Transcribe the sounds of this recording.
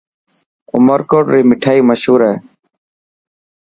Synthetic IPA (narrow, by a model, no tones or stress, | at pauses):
ʊ̰məɾkoːʈɾiːmɪʈʰaːiːməʃɦuːɾeː